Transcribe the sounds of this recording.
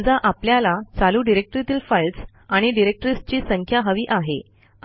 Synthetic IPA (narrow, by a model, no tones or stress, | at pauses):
d͡zaʔapljalat͡saluːɖiɾek̚ʈɾit̪iːlfajls | aɽ̃iɖiɾek̚ʈɾis̚t͡ɕiːsəŋkʰjaɦəʋiːʔaɦe